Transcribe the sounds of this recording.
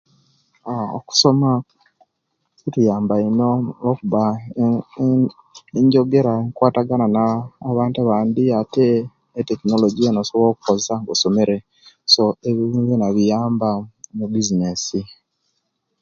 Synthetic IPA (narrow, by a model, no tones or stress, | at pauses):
ao̰ku̥so̞ma | kutujaːmbainolokuβa | eɲɟo̞ɡe̞ɾaeŋkwaːtaɡananaːβaːntaβaːnd̪iateː | tekino̞loɟienosoβɾokukozesaŋɡoso̞me̞ɾe | so̞eβiɾuːzinaβijaːmbamubizinesi